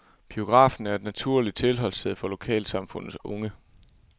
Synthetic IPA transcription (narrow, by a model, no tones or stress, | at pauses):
b̥io̝ɡ̥ʁɑ̰̈ːfn̩æɐe̝d̥næt͡sʰuɐ̰li̥t͡sʰe̝lɦɒ̽lsdeð̞̰ˠfɒ̽lo̝kʰɛ̰ːlsɑ̈mfɔ̽n̰ð̩ˠɔ̽ŋə